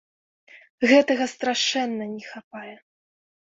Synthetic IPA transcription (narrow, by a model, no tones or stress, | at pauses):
ɣɛt̪ɐɣɐst̪ɾaʂɛnːɐnʲɛxapajɛ